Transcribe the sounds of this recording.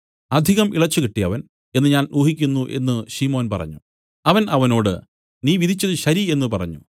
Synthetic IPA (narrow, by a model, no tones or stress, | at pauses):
ɐd̪ʱiɣɐmʔḭɭɐt͡ɕːukiʈːijɐʋɐn | e̞nːɨɲaːnuːɦikʲːunːuʔe̞̰nːɨɕimo̞ːnpɐ̰rɐ̰ɲːu | ɐʋɐnɐʋɐno̞ːɽɨ | niːʋid̪ʱit͡ɕːɐðɨɕɐɾie̞nːɨpɐrɐ̰ɲːṵ